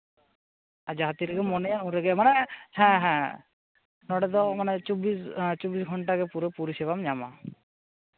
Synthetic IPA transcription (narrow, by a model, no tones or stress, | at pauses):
ad͡ʒaɦat̪iɾɛɡɛmɔnɛjanũɾɛɡɛmanɛhɛ̃ɦɛ̃ | nɔɽɛd̪ɔmanɛt͡ʃɔbist͡ʃɔbisɡʱɔɳʈaɡɛpuɾepuɾisibamɲama̰